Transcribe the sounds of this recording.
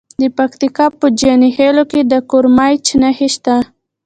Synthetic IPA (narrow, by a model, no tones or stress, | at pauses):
d̪əpakt̪ikɑpəd͡ʒɑniheloked̪əkoɾmajt͡ʃnaheʃt̪a